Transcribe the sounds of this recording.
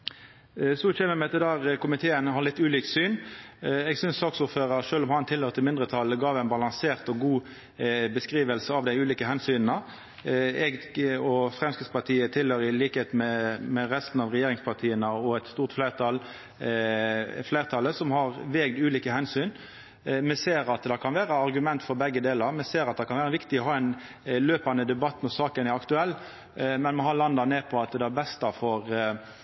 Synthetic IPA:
sɔçɛːməmɛt̪ɪd̪æːʁəkʊmɪt̪ʰeːənhɑʁlɪt̪ːʉːliːksyːnɛɡsʏnssɑːksʊʁføːʁəɾʂøːlɔmhɑnt̪ʰɪlhøːɾʁt̪ʰɪlmɪnd̪ʁət̪ʰɑlːəɡɑːʋæɪnbɑlɑnseːʁt̪ɔɡuː | bəskʁiːʋəlsəɑʋd̪æɪʉːliːkəɦɛnsyːnn̩ə | ɛɡɔfʁɛmskʁɪd̪spɑʁt̪ʰiːət̪ʰɪlhøːɾɪliːkəheːt̪mɛmɛɾɛst̪n̩ɑʋɾɛjeːɾɪŋspʰɑʁt̪ʰiːənəɔɛt̪st̪uːʁt̪fleːʁt̪ʰɑl | fleːɾt̪ʰɑlːəsɔmhɑʁʋeːɡd̪ʉːliːkəhɛnsyːn | mɛseːɾɑt̪d̪ɛkʰɑnʋæːɾəɑɾɡʉmɛnt̪fɔɾbɛɡːəd̪eːləɾmɛseːɾɑt̪̚d̪ɛkʰɑnʋæːɾəʋɪkt̪ɪɔɦɑːɛɪn | løːpɑnəd̪ɛbɑt̪ːmɔsɑːkənæɑkt̪ʉɛlː | mɛnmɛɦɑɾlɑnd̪ɑneːpʰɔɑt̪d̪ɛæɾbɛst̪ɑfɔɾ

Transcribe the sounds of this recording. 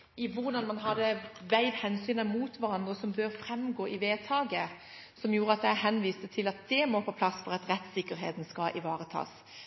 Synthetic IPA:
ɪʋʊʁd̪ɑnmɑnɦɑd̪əʋæɪʋhɛnsyːnɑmuːt̪ʋæʁɑnd̪ʁəsɔmbøːʁfɾɛmɡoːʔɪʋeːt̪ʰɑːɡə | sɔmjuːʁəɑt̪̚d̪æhɛnʋiːst̪ət̪ʰɪlɑt̪̚d̪̥ɛmɔfoːpʰlɑsfɔʁɑt̪ɾɛt̪sɪkːəɾɦḛːt̪n̩skɑʔɪʋɑːʁət̪ʰɑ̰ːs

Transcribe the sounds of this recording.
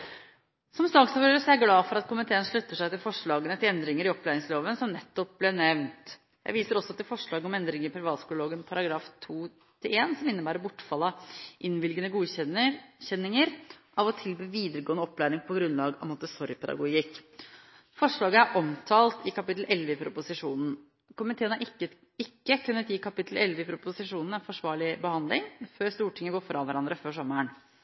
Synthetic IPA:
sɔmsɑːɡsɑʋøːɾəsɔjæɪɡlɑːfɔɾɑt̪kʰʊmɪt̪ʰeːənʂɭʉt̪ːəʂæɪt̪ɪlfɔʂɭɑːɡənət̪ʰɪlɛnd̪ɾɪŋəɾɪɔplæːɾɪŋsloːʋənsɔmnɛt̪ːɔp̚blɛnɛʋnt̪ | jæɪʋiːsəɾɔsːɔt̪ɪlfɔʂɭɑːɡəɔmɛnd̪ɾɪŋəɾɪpʰɾɪʋɑːt̪skʉlʊloːɡənpʰɑɾɑɡɾɑːft̪ʰuː | t̪ʰɪeːnsɔmɪnːəbæːɾɔbʊʈːfɑlːɑʔɪnʋɪlɡənəɡuː | çɛnːɪŋəɾʔɑʋɔt̪ʰɪlbyːʋiːd̪əɾəɡoːənəɔpːlæːɾɪŋpʰɔɡɾʉnlɑːɡɔ̰mɑt̪̚d̪əsɔɾjpʰɛd̪ɑ̰ɡʊɡɪkː | fɔʂɭɑːɡəæɾʔɔmt̪ʰɑːlt̪ɪkʰɑpɪt̪l̩ʔɛlʋəɪpʰɾʊpʊsɪʂuːnn̩ | kʊmɪt̪ʰeːənə | ɪkːəkʉnːət̪jiːkʰɑpɪt̪l̩ʔɛlʋəɪpʰɾʊpʊsɪʂuːnn̩ɛnfɔʂʋɑːɭɪbəhɑnd̪lɪŋføːɾst̪uːʈʰɪŋːəɡoːfɾɑʋæɾɑnd̪ɾəføːʂɔmːəɳ

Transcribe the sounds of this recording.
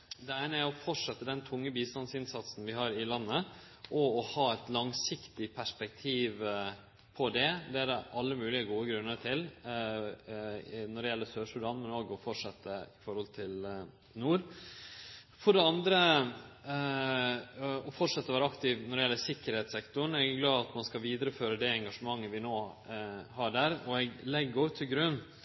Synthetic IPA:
d̪ɛæɪnəæɾɔfɔʈʂɛt̪ːəd̪ɛnt̪ʰʊŋːəbiːst̪ɑnsɪnsɑt̪sn̩ʋɪɦɑːɾɪlɑnːə | ʔɔɔhɑːɛt̪lɑŋsɪkt̪ɪpʰæʂpɛkt̪ʰiːʋ | pʰɔd̪ɛd̪ɛæɾʔɑlːəmʉːlɪəɡuːəɡɾʉnːəʈʰɪl | nɔɖɛjɛlːəsøːʂʉd̪ɑnmɛnoːɡɔfɔʈʂɛt̪ːəɪfɔɾhɔlt̪ʰɪl | nuːɾ | fɔɖɛɑnd̪ɾə | ɔfɔʈʂɑt̪ːəɔʋæːɾəɑkt̪ɪʋnɔɖɛɪɛlːəsɪkːəɾhɛːt̪sɛkt̪ʊɳɛɡɡlɑːɑt̪mɑnskɑʋiːd̪əɾəføːɾəd̪ɛɛŋɡɑʂəmɑŋːəʋɪnoː | hɑɖæːɾɔɛɡlɛɡːɔt̪ʰːɪɡɾʉnː

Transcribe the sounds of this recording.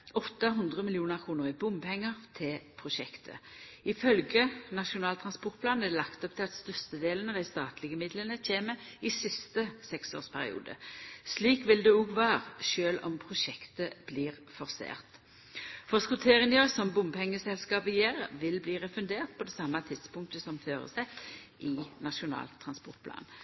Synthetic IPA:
ɔt̪ːəɦʉnd̪ʁəmɪlɪuːnəʁkʰuːnʊʁɪbʊmpʰɛŋːəʁt̪ʰɪlpʰʁʊʃɛkt̪ʰə̰ɪfœlɡənɑʃʊnɑːlt̪ʰʁɑnspʊʁt̪̚pʰlɑːnæd̪ɛlɑkt̪ɔp̚t̪ʰɪlɑt̪st̪œst̪əd̪eːlənɑʋd̪æɪst̪ɑːt̪lɪɡəmɪd̪lənəc͡çʰeːməɪsɪst̪əsɛkso̰ːʁspʰæʁɪ̰ṵːd̪ə̰sliːkʋɪld̪ɛuɡʋɑːʁʃøːlɔ̰mpʰʁʊʃɛkt̪əb̥liːʁ | fɔʁsḛːʁt̪ | fɔskʉt̪ʰeːʁɪnjøsɔmbʊmhɛŋːəsɛlskɑːpəjeːʁʋɪlbliːʁɛfʉnd̪eːʁt̪̚pʰɔd̪ɛːsɑmːɑt̪ʰɪd̪spʊŋk̚t̪əsɔmføːʁə̰sæ | ʔɪnɑʃʊnɑ̰ːlt̪ʰʁɑnspɔ̰ʁt̪̚pʰlɑ̰ːn

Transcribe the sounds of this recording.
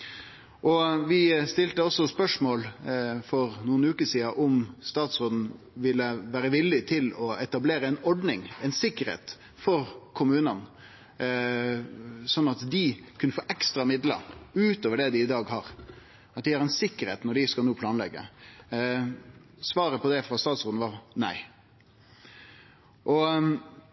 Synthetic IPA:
ʔɔʋɪst̪ɪlt̪əɔsːɔspœʂmoːlfɔɾnuːənʉːkəsiːɑʔɔmst̪ɑːt̪sɾoːd̪n̩ | ʋɪlːəʋæːɾəʋɪlːɪt̪ʰɪlɔɛt̪ɑbleːɾəɛɪnɔɖnɪŋɛɪnsɪkːəɾhḛːt̪ | fɔɾkʰʊmʉːnən | sɔnːɑt̪d̪ɪkʰʉnəfoːʔɛkst̪ɾɑmɪd̪lə̰ɾʉːt̪oːʋəɖɛd̪ɪɪd̪ɑːɡɦɑɾ | ɑt̪̚d̪ɪhɑɾɛɪnsɪkːəɾhḛːt̪nɔɖɪskɑlnuːpʰlɑːnlɛ̰ɡːə̰ | sʋɑːɾəpʰɔd̪ɛfɾɑst̪ɑːt̪sʁoːd̪n̩ʋɑʁnæ̰ɪ | ʔɔ

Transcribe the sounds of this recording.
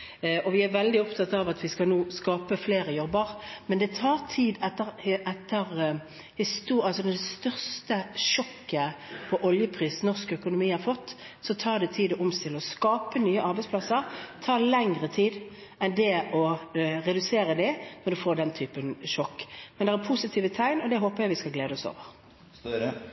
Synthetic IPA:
ɔʋɪæɾʋɛld̪ɪɔpt̪ʰɑt̪ɑʋɑt̪ʰʋɪskɑlnuːskɑːpəfleːɾəjɔbːəʁmɛnd̪ɛt̪ʰɑːʁt̪ʰiːd̪ɛt̪ːəʁʔɛt̪ːəʁ | hɪst̪uːɑlsɔd̪d̪ɛst̪œʁst̪əʃɔkːəpʰɔʔɔljəpʰʁiːsnɔʁskœkʊnʊmiːhɑɾfɔt̪ː | sɔt̪ʰɑːʁd̪ɛt̪ʰiːd̪ʊmst̪ɪlɔskɑːpənyːəʔɑɾbɛɪspʰlɑsəʁt̪ʰɑːʁlɛŋʁət̪ʰiːd̪ | ɛnd̪ɛɔʁɛd̪ʉseːɾəd̪ɛnɔd̪ʉfoːd̪ɛnt̪ʰyːpənʃɔkːmɛnd̪ɛːæpʰʊsɪt̪ʰiːʋət̪ʰæɪnɔd̪ɛɦoːpəʁjæɪʋɪskɑlɡleːd̪əɔso̰ːʋəʁ

